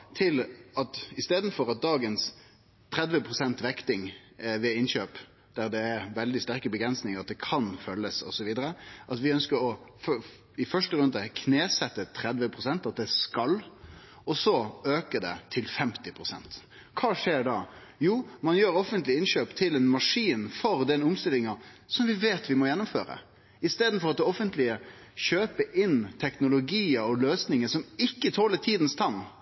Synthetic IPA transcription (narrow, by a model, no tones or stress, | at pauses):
t̪ʰɪlɑt̪ɪst̪eːd̪n̩fɔɾɑt̪̚d̪ɑːɡəns | t̪ʰɾɛd̪ʋəpʰʁʊsɛnt̪ʋɛkt̪ɪŋʋɛɪnɕøːp | d̪̥æʁd̪ɛæʋɛld̪ɪst̪æʁkəbəɡɾɛnsnɪŋəɾɑt̪̚d̪ɛkʰɑnfœlːəsɔ̰sɔʋiːd̪əɾəʔɑt̪ʋɪœnskəɾɔf | ɪfœʂʈəɾʉnd̪əkʰneːsɛt̪ːət̪ʰɾɛd̪ʋəpʰɾʁʊsɛnt̪ɑt̪̚d̪ɛskɑl | ɔsɔøːkəd̪ɛ̰t̪ʰɪlfɛmt̪ɪpʰɾʊsɛ̰nt̪ | kʰɑːʂeːɖɑː | juːmɑnjøːɾɔfənt̪lɪɪnɕøːpt̪ʰɪlɛnmɑʂiːnfɔɾd̪ɛnʊmst̪ɪlɪŋɑsɔmʋɪʋeːt̪ʋɪmɔjɛnːʊmfø̰ːɾə̰ | ɪst̪eːd̪n̩fɔɾɑt̪̚ɛɔfənt̪lɪəɕøːpəɾʔɪnt̪ʰɛknʊlʊɡiːəɾɔløːsnɪŋəsɔmɪkːət̪ʰoːlət̪ʰiːd̪ən̩st̪ʰɑnː